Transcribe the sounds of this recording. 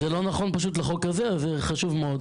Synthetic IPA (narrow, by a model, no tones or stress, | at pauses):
zelo̞naχo̞npaʃ̬ut̪̬leχokazezeχaʃuvmeod̪